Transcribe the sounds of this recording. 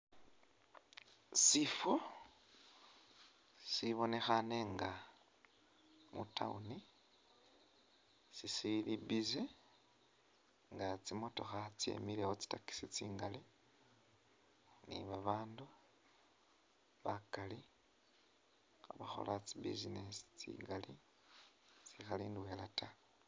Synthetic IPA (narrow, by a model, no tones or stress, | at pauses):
sifo | siβo̞ne̞xane̞ŋɡa | mṵta̰uni | sisilibize | ŋɡat͡simo̞to̞xat͡siḛmilewot͡si̥taki̥sit͡siːŋɡali | nḭβaβaːndu | βakali | xaβaxo̞̰lʔat͡sibḭzinesi̥t͡sḭːŋɡali | t͡sixaliːndwe̞lata